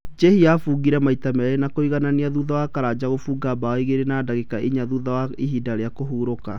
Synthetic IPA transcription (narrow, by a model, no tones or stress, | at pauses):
d͡ʒehiafuɣiɾɛmaitamɛɾenakoiɣananiaðuðawakaɾad͡ʑaɣofuːɡabaɔiɣeɾenaːdaɣekaʔiɲaðuðawaiɦidaɾeakoɦuːɾoka